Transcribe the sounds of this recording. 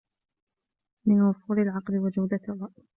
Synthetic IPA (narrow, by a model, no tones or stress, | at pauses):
mɪnwʊfuːɾɪlʕɑqlɪwad͡ʒawd̪arˤːɑʔ